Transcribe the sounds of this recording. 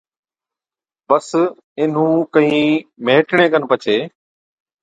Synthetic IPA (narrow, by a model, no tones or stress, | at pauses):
bəs | ɪn̤ũːkəɦĩːmeːʈɳẽːkənpət͡ʃʰeː